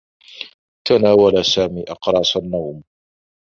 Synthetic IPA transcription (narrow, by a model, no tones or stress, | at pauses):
t̪anaːwalasaːmiːʔɑqɾˤɑːsˤanːawm